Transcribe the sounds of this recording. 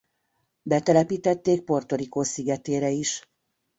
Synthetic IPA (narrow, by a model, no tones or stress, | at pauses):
bɛt̪ɛlɛpiːt̪ɛt̪ːeːk̚po̞rt̪o̞ɾikoːsiɡɛt̪eːɾɛiʃ